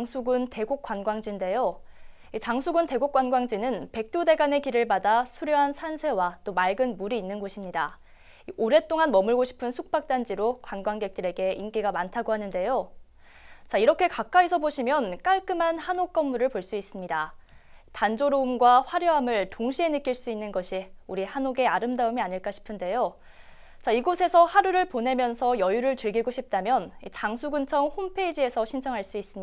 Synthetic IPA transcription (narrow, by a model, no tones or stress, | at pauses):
ŋsʰuɡunte̞ɡok͈wanɡwaŋd͡ʑinde̞jo | it͡ɕaŋsʰuɡɯnte̞ɡok͈wanɡwaŋd͡ʑinɯnpe̞k̚t͈ode̞ɡane̞kiɾɯɭbadasʰuɾjʌɦansʰansʰe̞wat͈omaɭɡɯnmuɾiːnːɯnɡoɕʰimɲida | iʔoɾe̞t͈oŋanmʌmɯɭɡoɕʰi̥pʰɯnsʰuk̚p͈ak̚t͈and͡ʑiɾokwanɡwaŋɡe̞k̚t͈ɯɾe̞ɡe̞ʔink͈iɡamantʰaɡoɦanɯnde̞jo | t͡ɕaiɾʌkʰe̞kak̚k͈aisʰʌboɕʰimjʌnk͈aɭk͈ɯmanhanok͈ʌmːuɾɯɭpoɭs͈uis͈ɯmɲida | tand͡ʑoɾoumɡwaɸwaɾjʌɦamɯɭtoŋɕʰie̞nɯk͈iɭs͈uinːɯnɡʌɕʰiuɾihanoɡe̞aɾɯmdaɯmiaɲiɭk͈aɕʰi̥pʰɯnde̞jo | t͡ɕaiɡosʰe̞sʰʌhaɾuɾɯɭpone̞mjʌnsʰʌjʌjuɾɯɭtɯɭɡiɡoɕʰip̚t͈amjʌnit͡ɕaŋsʰuɡɯnt͡ɕʰʌŋhompʰe̞id͡ʑie̞sʰʌɕʰint͡ɕʰʌŋɦaɭs͈uis͈ɯm